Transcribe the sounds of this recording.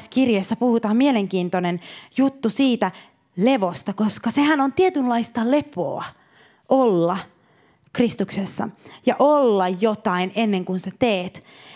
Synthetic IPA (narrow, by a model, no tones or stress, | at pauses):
skirjesːæpuhut̪ɑːmmieleŋkiːnt̪onenjut̪ːusiːt̪æ | leʋost̪ɑkoskɑsehænont̪iet̪yllɑist̪ɑlepo̰ɑ | ʔolːɑ | krist̪uksesːɑ̰jɑʔolːɑjjot̪ɑinenːeŋkunset̪eːt̪